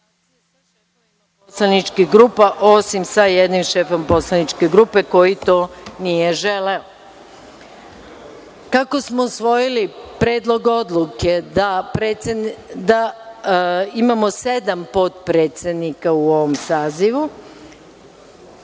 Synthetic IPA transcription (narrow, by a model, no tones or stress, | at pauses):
poslanit͡ʃkiɡɾuːpaʔo̞simsajed̪nimʃe̞ːfo̞mpo̞slˠanit͡ʃkeɡɾupe̞ko̞jit̪o̞ːnije̞ʒeleo | kako̞smousʋo̞jilipɾe̞ːd̪lˠo̞ɡo̞d̪lˠuke̞d̪apɾeːsed̪a | imamo̞se̞d̪ampot̪̚pɾe̞ːt̪sed̪nikauo̞ʋo̞msaːziʋu